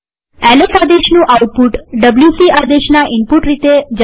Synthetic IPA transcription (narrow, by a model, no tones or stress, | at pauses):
ælekad̪eʃnũʔauʈ̚puʈɖəbljusiad̪eʃnaʔimpuʈɾit̪ed͡ʑ